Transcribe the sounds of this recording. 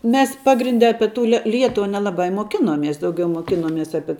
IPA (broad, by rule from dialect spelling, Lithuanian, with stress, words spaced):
mʲɛs ˈpɑːɡrʲɪnʲdʲɛ ˈɑːpʲɛ tʊ lʲɛ ˈlʲiɛtʊʋɐ nʲɛlˠɐˈbɐ ɪ moːˈkʲɪnoːmʲiɛs dɐʊˈɡʲɛʊ moːkʲɪnoːˈmʲiɛs ˈɑːpʲiɛ